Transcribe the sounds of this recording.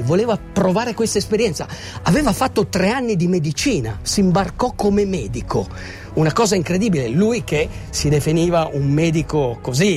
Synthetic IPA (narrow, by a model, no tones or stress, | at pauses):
voleːvapɾovaːɾekwest̪aespeɾjɛnt̪sa̰ | avɛːvafat̪ːot̪ɾeanːid̪imed̪it͡ʃiːna̰simbarkɔkːomemɛːd̪ikʰo | unakɔːzaiŋkɾed̪iːbilelujkesid̪efiniːvaʔumːɛːd̪ikokozi